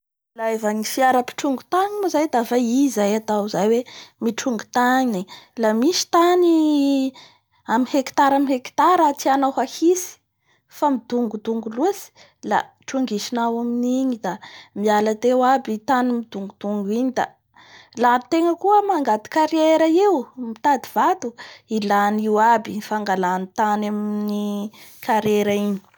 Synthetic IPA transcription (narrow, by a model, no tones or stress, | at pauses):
laevaŋifiaɾəpi̥ʈ͡ʂuŋɡut̪aɲimuzajd̪afaizajat̪awzajwemiʈ͡ʂuŋɡu̥t̪aɲilamiʃi̥t̪ani | aminheki̥t̪aɾaminheki̥t̪aɾat̪ianawɦahisi̥ | famid̪uŋɡud̪uŋɡuluəsi̥ | la̰ | ʈ͡ʂuŋɡiʃinawaminiɲid̪amialat̪ewabit̪animid̪uŋɡud̪uŋɡuiɲid̪a̰ | lat̪eŋəkuəmaŋɡat̪i̥kaɾeɾəewmit̪ad̪iv̥at̪uilaniwabifaŋɡalanit̪anamnikaɾeɾaiɲi̥